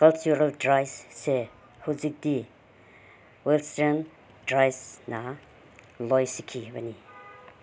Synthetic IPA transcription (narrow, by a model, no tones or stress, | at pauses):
kalt͡ʃuɾaldɾajsːe | huzik̚di | wɛlstan | dɾajsna | lɔjsikʰibani